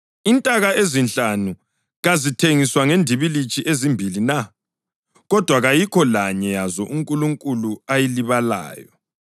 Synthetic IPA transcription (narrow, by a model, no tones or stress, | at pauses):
intʼaɣaezinɬʼanu | ɣazitʰeŋiswaŋendʱiβilit͡ʃʼʰiʔezimbʱilina | ɣɔd̥ʱwaɣajikʰɔlaɲɛjazɔʔuŋkʼuluŋkʼuluajiliβala̰ːjɔ